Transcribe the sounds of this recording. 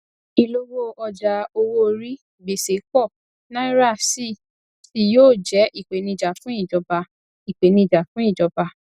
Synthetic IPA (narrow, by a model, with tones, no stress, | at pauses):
i˧lo˦wo˦ɔ˧d͡ʒa˧o˧wo˦˧ɾi˦ | be˨se˨˦kɔ˦˨ | nã˦i˦ɾa˦˨si˦˨ | ti˦joː˦˨d͡ʒɛ˨˦ʔi˦˨k͡pe˨nĩ˧˨d͡ʒa˨fũ˦i˦˨d͡ʒɔ˨˧ba˧ | i˨k͡pe˨nĩ˧˨d͡ʒa˨fũ˦i˦˨d͡ʒɔ˨˦ba˧